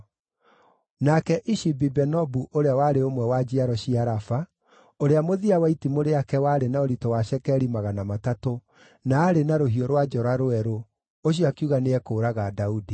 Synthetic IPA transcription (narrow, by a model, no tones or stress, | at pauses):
nakɛʔiʃibibɛnɔbuʔoɾeawaɾeomwɛwad͡ʒiaɾɔɕiaɾafa | oɾeamoðiawaitimoɾeakɛwaɾenaoɾitɔwaɕɛkɛɾimaɣanamatato | naːɾenaɾoɦiɔɾwad͡ʒɔɾaɾoɛɾo | oɕ̬iakiuɣaneɛkoːɾaɣadaudi